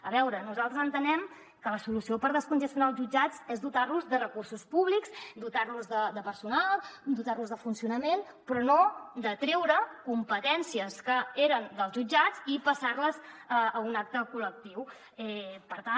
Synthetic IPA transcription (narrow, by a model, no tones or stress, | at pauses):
əβɛwɾənuzalˠt̪ɾəzənt̪ənɛm | kələsulusiopəɾð̞əskunʒəst̪junalˠzʒud͡ʒat͡sezðut̪arluzðərəkursuspuβlikzd̪ut̪arluzðəd̪əpəɾsunalˠd̪ut̪arluzðəfunsiunəmen | pɾɔnod̪ət̪ɾɛwɾəkumpət̪ɛnsiəskəeɾənd̪əlˠzʒud͡ʒat͡sipəsarləzəəunak̚t̪əkulək̚t̪iw | ɛpəɾt̪a